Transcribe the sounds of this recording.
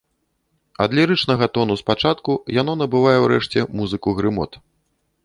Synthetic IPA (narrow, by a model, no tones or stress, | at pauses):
ɐ̰d̪lʲiɾɨt͡ʂnɐɣɐt̪ɔnuspat͡ʂat̪kujanɔn̪ɐbɨvajɛwɾɛʂt͡sʲɛmuzɨkuɣɾɨmɔ̰t̪